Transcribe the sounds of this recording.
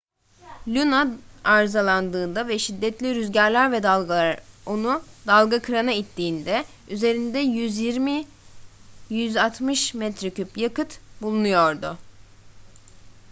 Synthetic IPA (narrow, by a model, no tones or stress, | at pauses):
lʲunaaɾzalˠand̪ɯːnd̪avɛʃid̪ːɛt̪lʲiɾyzɟæɾlʲæɾvɛ | onud̪alˠɡakʰɯɾanait̪ʰːiːnd̪ɛ | yze̞ɾind̪ɛjyzjiɾmi | jyzat̪ʰmɯʃmɛt̪ɾicʰypjakɯt̪bulˠunujo̞ɾd̪ʊ